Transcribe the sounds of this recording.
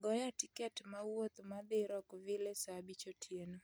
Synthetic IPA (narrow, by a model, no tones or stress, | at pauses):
ɡɔjatikɛtmawot̪mad̪ɪɾɔkvɪlesabit͡ʃotʰjeno